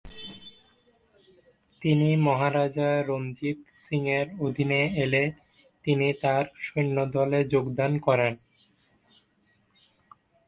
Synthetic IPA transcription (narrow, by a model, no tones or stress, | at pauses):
t̪inimɔɦaɾad͡ʑaɾomd͡ʑit̪siŋeɾod̪ʱineele | t̪init̪aɾʃonːod̪ɔled͡ʑoɡd̪ankɔɾen